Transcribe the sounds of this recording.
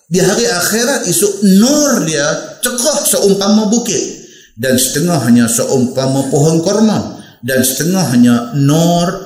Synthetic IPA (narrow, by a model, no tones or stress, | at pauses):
diɦaɾiaxeɾat̪isʊʔnɔrdiat͡ʃəkɔhsoʔʊŋpamabukɪt̪̚ | dansə̥t̪əŋɔhɦaɲasoʔʊŋpamapɔɦɔnkɔrma | dansə̥t̪əŋɔɦaɲanɔr